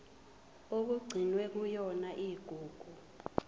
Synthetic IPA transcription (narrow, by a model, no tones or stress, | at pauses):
ok̬uɡ͡ǀʱinwɛk̬ujɔnaʔiɡ̥ʱuːɡ̥ʱu